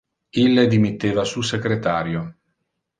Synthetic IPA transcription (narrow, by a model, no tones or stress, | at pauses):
ilːed̪imit̪ːeːvasuːsekɾet̪aːɾjo